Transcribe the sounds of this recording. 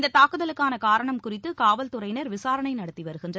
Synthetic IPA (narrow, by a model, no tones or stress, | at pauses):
nd̪ɐt̪ːaːkɯðɐlɯkːaːnɐkaːɾɐɳɐmkʊrɪt̪ːɯkaːʋɐlt̪ʊɾɐɪnɐɾʋɪsaːɾɐɳɐɪnɐɽɐt̪ːiʋɐɾɯɣɪndrɐ